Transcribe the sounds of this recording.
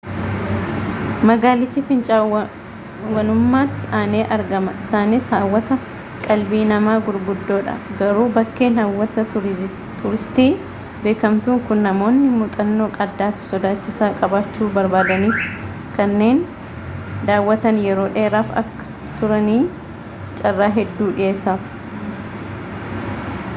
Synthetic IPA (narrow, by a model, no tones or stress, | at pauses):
mɐɡaːlɪt͡ʃːɪfɪnt͡ʃʼa | wɐnʊmːaːt̪ːɪʔaːneːʔɐɾɡɐmɐɪsaːnɪshaːwːɐt̪ɐ | kʼɐlbiːnɐmaːɡʊɾɡʊd̪ːo̞ːᶑɐ̰ɡɐɾuːbɐkːe̞ːnhaːwːɐt̪ɐ | t̪ʊɾɪst̪iː | be̞ːkɐmt̪uːŋkʊnːɐmo̞ːnːɪmʊt̪ʼɐnːo̞ːkʼɐd̪ːaːfɪ̥sɔd̪aːt͡ʃːɪsaːkʼɐbaːt͡ʃːuːbɐɾbaːd̪ɐniːf | kɐnːe̞ːn | d̪aːwːɐt̪ɐnjɛɾo̞ːᶑe̞ːɾaːfɐ̰kːɐ̥ | t̪ʊɾɐniː | t͡ʃʼɐrːaːɦɛd̪ːuːᶑɪje̞ːsːaːf